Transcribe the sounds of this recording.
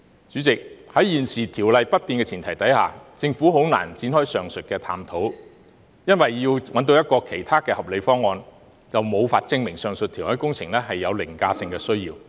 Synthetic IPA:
t͡syː˨˥t͡sɪ˨k̚hɐ˨˥jiː˨˩nsiː˨t̪ʰiː˨˩wlɐ˨˧jpɐ˥t̚piː˨nkɛː˧t͡sʰiː˨˩nt̪ʰɐ˨˩jt̪ɐ˨˥jha̰ː˨t͡sɪ˧ŋfuː˨˥ɦo˨˥wna̰ː˨˩nt͡siː˨˥nhɔː˥jsœː˨ŋsɵ˨t̚kɛː˧t̪ʰa̰ː˧mt̪ʰo˨˥w | jɐ˥nwɐ˨jːiː˧wwɐ˨˥nt̪o˧wjɐ˥t̚kɔː˧kʰe˨˩jt̪ʰaː˥kɛː˧hɐ˨p̚le˨˧jfɔː˥ŋːɔː˧n | t͡sɐ˨wmo˨˧wfaː˧t̚t͡sɪ˧ŋmɪ˨˩ŋsœː˨ŋsɵ˨t̪ʰi˨˩whɔː˥jkʊ˥ŋt͡sʰɪ˨˩ŋlɛː˥hɐ˨jːɐ˨˧wlɪ˨˩ŋkaː˧sɪ˧ŋkɛː˧sɵ˥ɥjiː˧w

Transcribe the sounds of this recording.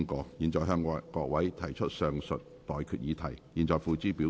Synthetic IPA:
ŋkɔː˨˧˥k̚jiː˨˩nt͡ʃɔː˨jɦœː˧ŋ˧kɔː˧˥k̚wɐ˨˥jt̪ʰɐ˨˩jt͡ʃʰɵ˥t̚sœː˨ŋsɵ̰˨t̚t̪ɔː˨jkʰyː˨t̚jiː˨˧˥t̪ʰɐ˨˩j | iː˨˩nt͡ʃɔː˨˩jfuː˨˧t͡siː˥piː˨˥

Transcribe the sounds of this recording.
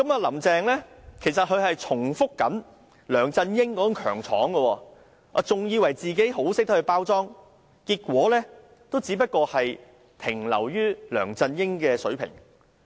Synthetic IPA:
kɐ˨˥maː˧lɐ˨˩mt͡sɛː˨ŋlɛː˥kʰe˨˩js̬ɐ˨t̚hɵ˨˧ɥhɐ˨jt͡sʰʊ˨˩ŋfʊ˥kːɐ˨˥n | lœː˨˩ŋt͡sɐ˧njɪ˥ŋkɔː˧˥kɐ˨˥ŋkʰœ̰ː˨˩ŋt͡sʰɔː˨˥ŋɡə˧wɔː˧ | a̰ː˧t͡sʊ˨ŋjiː˨˧wɐ˨˩jt͡siː˨ke˨˥jɦo˨˥wsɪ˥k̚t̪ɐ˥hɵ˧ɥpaː˥wt͡sɔː˥ŋ | kiː˧t̚kʷwɔː˨˥lɛː˥ | t̪o˥wt͡siː˨˥pɐ˥t̚kɔː˧hɐ˨j | t̪ʰɪ˨˩ŋlɐ̰˨˩wjyː˥lœ̰ː˨˩ŋt͡sɐ˧njɪ˥ŋkɛː˧sɵ˨˥ɥpʰɪ̰˨˩ŋ

